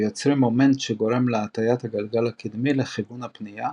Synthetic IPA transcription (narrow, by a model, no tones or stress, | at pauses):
jot͡sɾimo̞me̞ntʃeɡo̞ɾe̞mleat̪ajat̪haɡalɡalakid̪mileχiɡunapnija